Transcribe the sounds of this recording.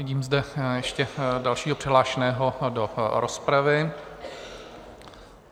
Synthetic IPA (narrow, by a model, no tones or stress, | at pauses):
viɟiːmzdɛjɛʃcɛdalʃiːɦopr̝̥ɛɦlaːʃɛnɛːɦodoɾospɾavɪ